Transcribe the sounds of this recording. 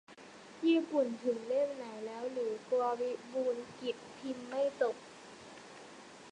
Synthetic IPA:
jiː˥˩pu˨˩nt̪ʰɯ˩˦ŋle˥˩m̚na˩˦jlɛː˦˥wlɯː˩˦klɔː˧wi˦˥buː˧nki˨˩p̚t̪ʰi˧mːa˥˩jt̪o˨˩k̚

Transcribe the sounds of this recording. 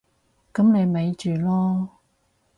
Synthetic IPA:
kɐ˨˥mne˨˧jme˨˧jt͡ʃyː˨lɔː˥

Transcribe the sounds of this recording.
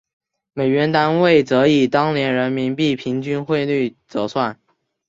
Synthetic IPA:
me˨˩ɪɥɛ˧˥nt̪a˥nwe˥˩ɪt͡sɤ˧˥i˨˩t̪ɑ˥ŋnjɛ˧˥nɻə˧˥nmi˧˥npi˥˩pʰi˧˥ŋt͡ɕy˥nxwe˥˧ɪly˥˩t͡sɤ˧˥˩swa˥˩n

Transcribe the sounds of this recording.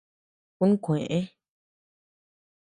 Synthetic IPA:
ku˦nũ˦kʷẽ˨ʔẽ˦

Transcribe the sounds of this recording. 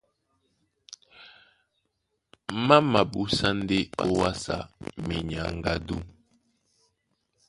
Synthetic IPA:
ma˦ma˨bu˦sa˦n˦de˦o˦wa˦sa̰˨me˨ɲa˨ŋ˨ɡa˦du˦

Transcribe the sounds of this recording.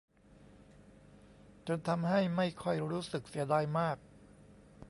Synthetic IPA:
t͡ɕo˧nt̪ʰa˧mɦa˥˩jma˥˩jkʰɔ˥˩jɾuː˦˥sɯ˨˩k̚si˩˦ɐdaː˧jmaː˥˩k̚

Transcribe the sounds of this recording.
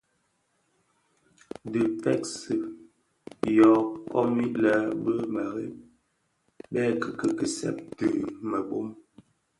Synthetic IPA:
də˨pɛ˦˨k̚sɨ˨ | jɔ˨˦kɔ̰˦mi˦la˦bə˦ma˨ɣe˦ | ɓɛ˦kə˨kə˨kə˨sɛ̰˦˨p̚tə˨mə˨ɓo˦m

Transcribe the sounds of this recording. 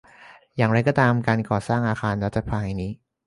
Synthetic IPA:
jaː˨˩ŋɾa˧jkɔː˥˩t̪aː˧mkaː˧nkɔː˨˩saː˥˩ŋʔaː˧xʰaː˧nɾa˦˥t̪̚t͡ɕʰa˧˩pʰaː˧jniː˦˥

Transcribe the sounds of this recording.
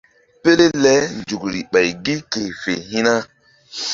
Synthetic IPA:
pe˦le˦lɛ˦nd͡ʒu˨kɾi˨ɓa˨jɡi˦ke˨fe˨ɦi˦na˦

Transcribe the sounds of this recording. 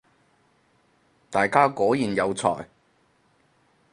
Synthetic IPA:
t̪aː˨˩jkaː˥kɔː˨˥jiː˨˩njɐ˨˧wt͡sʰɔ̰ː˨˩j

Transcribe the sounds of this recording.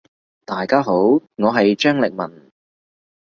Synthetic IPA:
t̪aː˨jkaː˥ɦo˨˥wŋɔː˨˧ɦɐ˨jt͡ʃœː˥ŋlɪ˨k̚mɐ̰˨˩n

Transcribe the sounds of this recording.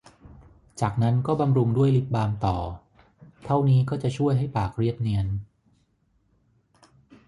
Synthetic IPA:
t͡ɕaː˨˩k̚na˦˥nkɔː˥˩ba˧mɾu˧ŋdu˥˩əjli˦˥p̪̚baː˧mt̪ɔː˨˩ | t̪ʰa˥˩wniː˦˥kɔː˥˩t͡ɕa˨˩t͡ɕʰu˥˩əjɦa˥˩jpaː˨˩k̚ɾi˥˩əp̚ni˧˥ən

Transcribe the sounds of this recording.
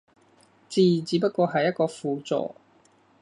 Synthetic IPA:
t͡siː˨t͡siː˨˥p̬ɐ˥kɔː˧ɦɐ˨jːɐ˥t̚kɔː˧fuː˨˧t͡sɔ̰ː˨

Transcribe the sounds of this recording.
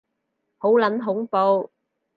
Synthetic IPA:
ho˨˥wlɐ˨˥nɦʊ˨˥ŋpo˧w

